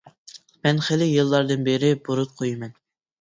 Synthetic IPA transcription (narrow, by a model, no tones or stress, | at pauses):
mɛnχɪlɪjɨlˠːɑɾd̪ɨnbeɾɪboɾut̪̚qʰojmɛn